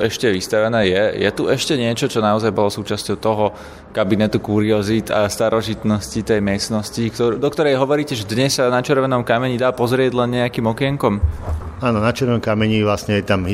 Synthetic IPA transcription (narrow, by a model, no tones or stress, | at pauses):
ɛʃcɛʋist̪aʋɛnɛːjɛjɛ̰t̪uɛʃcɛɲɪɛt͡ʃɔt͡ʃɔnaɔzajbɔlɔsuːt͡ʃascɔʊt̪ɔɦɔ | kabinɛt̪ukuːɾiɔzit̪ast̪aɾɔʒit̪nɔscit̪ɛjmɪɛst̪nɔscikt̪ɔd̪ɔkt̪ɔɾɛjɦɔʋɔɾiːcɛʒɛd̪ɲɛssanat͡ʃɛɾʋɛnɔmkamɛɲid̪aːpɔzɾɪɛɟlɛnɲɛakiːmɔkɪɛŋkɔmaːnɔnat͡ʃɛɾʋɔmkamɛɲiʋlasɲɛjɛt̪amɦi